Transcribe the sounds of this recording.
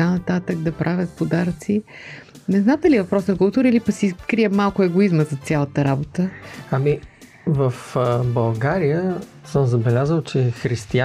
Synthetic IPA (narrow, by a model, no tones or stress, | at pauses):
anɐt̪at̪əɡ̚d̪ɐpɾʔavʲət̪̚pod̪aɾt̪si | nɛznat̪ɛliɛvɐpɾɔsnɐkʊlˠt̪uɾiilipɐksikɾiəmalˠkʊɛɡoizməzɐt̪sʲjalˠət̪əɾabot̪əɐmi | vəfbɐlˠɡaɾijə | səmzɐbɛlʲazəlˠt͡ʃɛxɾist̪ia